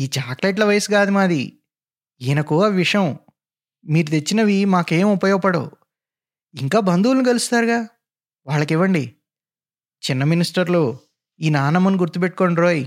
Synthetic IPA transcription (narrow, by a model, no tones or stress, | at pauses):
iːt͡ʃaːkleːʈ̬lɐʋɐjɐsuɡaːd̪imaːd̪ḭ | iːnɐkuɐʋiʂjɐm | miːɾut̪et͡ʃːinɐʋimaːke̞ːmupɐjɔːpɐɽo̰ː | iŋkaːbɐnd̪uːlɐniɡɐlust̪aːɾuɡaː | ʋaːɭːɐkiʋːɐɳɖi | t͡ʃinːɐminisʈɐɾloː | iːnaːnɐmɐnɡuɾt̪upeʈːu̥koːɳɾoːji